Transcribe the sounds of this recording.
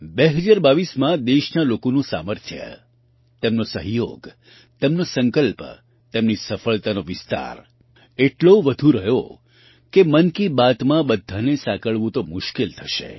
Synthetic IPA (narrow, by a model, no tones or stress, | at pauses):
beɦəd͡ʒaɾbaʋismãd̪eʃnalokonũsa̰məɾt̪ʰjə̰ | t̪emnosəɦjo̰ɡ | t̪emnosəŋkəlp | t̪emnisəfəɭt̪anoʋɪst̪a̰ɾ | eʈloʋəd̪ʱũɾəɦjo | kemənkibat̪mãbəd̪ʱːanesãkəɭʋũt̪omʊʃkelt̪ʰəʃḛ